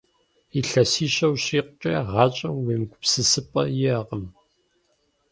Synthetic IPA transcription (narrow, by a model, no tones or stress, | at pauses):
iɬɐsiːɕɐwɕiːqʷʊt͡ʃʼɐ̰ʁɑːt͡ʃʼɐmweːmɡʷʊpsɨsɨpʼɐ̰jɪɐqəm